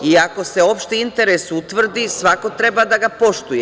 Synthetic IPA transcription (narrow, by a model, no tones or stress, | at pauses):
iako̞se̞o̞pʃt̪iint̪e̞ɾesut̪ʋr̩d̪isʋako̞t̪ɾe̞bad̪aɡapo̞ʃt̪uje